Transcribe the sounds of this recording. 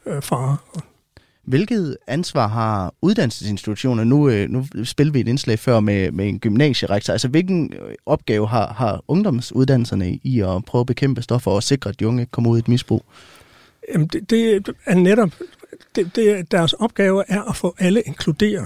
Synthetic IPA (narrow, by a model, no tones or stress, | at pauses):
fɑ̈ː | ʋe̝lɡ̥ð̞̩ˠænsʋɑ̰̈ɦɑ̈uðˠd̥æn̰l̩səse̝nsd̥it͡sʰu̥ɕo̝̰ːnɐnunusb̥e̝lʋie̝ɾe̝nslɛ̰ɪfɶɐ̰memee̝nɡ̥ymnɛ̰ːɕəʁäɡ̥̚t͡sʰɐælsɐʋe̝lɡ̥n̩ʔɒ̽b̥̚ɡ̥ɛːʊəɦɑ̈hɑ̈ɔ̽ŋd̥ɒ̽msuð̞ˠd̥æn̰l̩sɐnəiɒpʰʁœʊɐb̥e̝kʰem̰b̥əsd̥ɒ̽fɒɒse̝ɡ̥ʁɐæd̥iɔ̽ŋəkʰɒ̽mɐuð̰ˠed̥misb̥ʁṵː | jæm̩d̥ed̥e̝æɐneɾɒb̥d̥ed̥e̝d̥æɐsɒ̽b̥̚ɡ̥ɛːʊɐʔæɐʔæfɔ̰̽ːʔæləʔe̝ŋkʰlud̥e̝̰ːɐ